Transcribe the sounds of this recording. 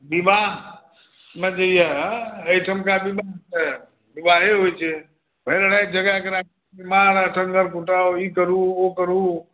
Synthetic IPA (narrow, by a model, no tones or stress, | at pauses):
bimaɦ | med͡ʒəijɛɦəjʈʰəmkabibaɦsɛ | bibaɦeɦojt͡ʃʰɛ | pəilaɽajd͡ʒəɡakeɾak | bimaɾaʈʰəŋɡəɾkuʈaoikəɾuokəɾu